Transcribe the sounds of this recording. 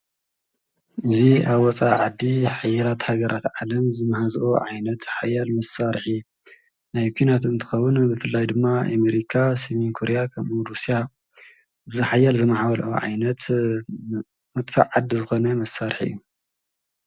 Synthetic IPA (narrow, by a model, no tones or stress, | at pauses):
ʔɨziaβwɔt͡sʼaʕad̪ːiħajːalat̪haɡɐɾʔat̪ʕalɐmzɨmːɐhazʔoʕajnɐt̪ħajalmɐsaɾħi | najkʷʰinat̪ɨnt̪ʰɨ̥xɐwːɨnbɨfɨlːajd̪ɨmːaa̰meɾikʰasiminkʰoɾejakʰɐmʔuɾusija | zɨħajalzɨmaħaβɐlɐ̰ʔoʕa̰jnɐt̪ | mɐt̪ʼfa̰ʕʕad̪ːizɨxo̞nɐmɐsaɾħɨ̰jːu